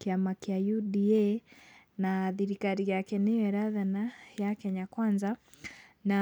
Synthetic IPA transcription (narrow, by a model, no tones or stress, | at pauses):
kiamakiajuɗiɛ | naðiɾikaɾijakɛnijɛɾaðanajakɛɲakwanza | na